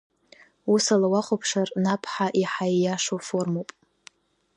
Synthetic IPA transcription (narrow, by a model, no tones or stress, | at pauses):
usalawaχʷopʰʂarnapʰħaʔiħajjaʂofo̞rmowpʼ